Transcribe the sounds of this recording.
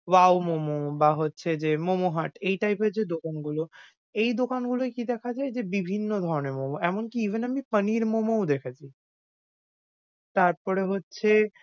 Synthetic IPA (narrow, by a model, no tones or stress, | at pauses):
wawmomobaɦotːɕʰed͡ʑemomoɦaʈejʈajped͡ʑed̪okanɡulo | ejd̪okanɡuloekid̪ɛkʰad͡ʑaed͡ʑebibʱinːod̪ʱɔɾoneɾmomoɛmonkiibʱenamipəniɾmomowd̪ɛkʰat͡ɕʰi | t̪aɾpɔɾeɦotːɕʰe